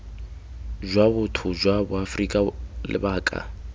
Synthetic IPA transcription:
ʒwaβʊtʰʊd͡ʒwabʊafrikʼalɪ̰baːkʼa̰

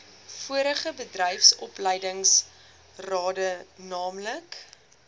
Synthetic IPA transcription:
fuəɾəχəbədrɛjfsɔplɛjdəŋs | rɑːdənɑːmlək

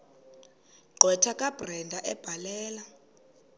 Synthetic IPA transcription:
ɡ͡ǃʱwɛtʰakʼab̥rɛndʱaʔɛb̥ʱalɛːla

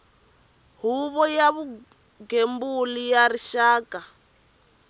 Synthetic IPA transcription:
ɦuβɔjaβu | ɡembulijaɾiʃaːka

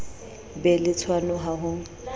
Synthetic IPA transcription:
bɛlɪt͡sʰwanʊɦaɦʊŋ̩

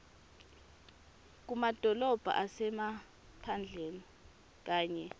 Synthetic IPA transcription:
k̬umad̥ʱɔlɔb̥ʱa̰ʔasɛma | pʰand͡ɮʱeni | k̬aːɲɛ

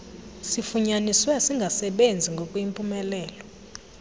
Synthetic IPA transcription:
sifuɲaniswɛsiŋɡʱasɛɓend͡zʱiŋɡʱokʼuimpʼumɛlɛːlɔ

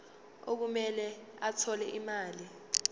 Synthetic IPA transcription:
ok̬umɛlɛ | atʰɔlɛʔimaːli

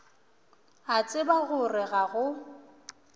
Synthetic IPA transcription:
at͡sʼɪbaɣʊrɪɣaɣʊ

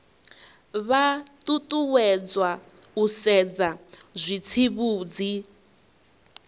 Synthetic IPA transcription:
βat̪ʼut̪ʼuwɛd͡zwa | usɛd͡zazʷit͡sʰiβuːd͡zi

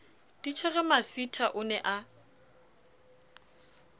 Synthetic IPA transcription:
d̥it͡ʃʰɛɣɛmasitʰaʔʊnɛʔa

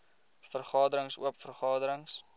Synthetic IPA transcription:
fərχɑːdəɾəŋsṵəpfərχɑːdəɾəŋs

